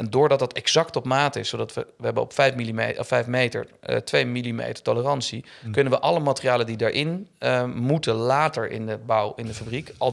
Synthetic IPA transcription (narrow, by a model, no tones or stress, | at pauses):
ʔɛndʊːɹdɑt̚dɑtɛɡz̥ɑktɔpmaːtəɪsːowdɑtʋəʋəɦɛbənɔ̰pfɛjfmilimefɛjfmejtə̰ɹtʋejmilimḛjtəɹtolərɑnsi | kɵnənʋəʔɑləmaːtərijaːlədidaɹʔɪn | mutəlaːtəɹɪ̰ndəbɑwɪndəfabrikɑ